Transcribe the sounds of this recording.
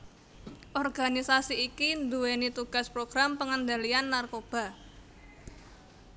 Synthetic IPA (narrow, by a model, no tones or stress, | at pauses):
ʔɔrɡ̥anisasiːkind̪uwenit̪uɡ̥a̤spɾoɡ̥ɾampəŋənd̪alianːarkob̥a̤